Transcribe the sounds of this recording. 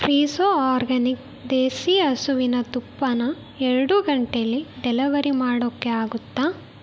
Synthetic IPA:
pʰɾiːsoːaːɾɡɐnik | d̪eːsiːɐsuʋinɐt̪upːɐnɐ | ɛɾɐɽuɡɐɳʈeɐlːiɖɛlɐʋɐɾimaːɽokːeaːɡut̪ːaː

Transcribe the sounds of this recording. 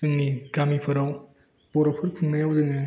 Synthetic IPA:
ɯŋniɡamipʰɯɾaw | b̥ɔɾɔpʰɯɾpʰɯŋnajawzɯŋɯ

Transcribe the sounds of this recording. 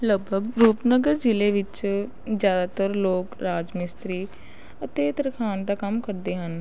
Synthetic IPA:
ləɡ̚bʱəɡɾuːpnəɡəɾd͡ʒɪleːʋɪt͡ʃ | zjaːd̪aːt̪əɾloːkɾaːd͡ʒmɪst̪ɾiː | ət̪eːt̪əɾkʰaːnd̪aːkəmkəɾd̪eːɦən

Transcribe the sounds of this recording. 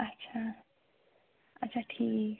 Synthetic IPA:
ɐtːt͡ʃʰa | ɐtːsʰaʈʰiːk

